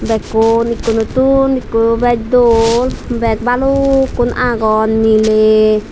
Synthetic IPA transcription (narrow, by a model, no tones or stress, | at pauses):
bɛkonikunut̪unikubɛd͡ʒ̚d̪olbɛk̚balukunʔaɡɔnmile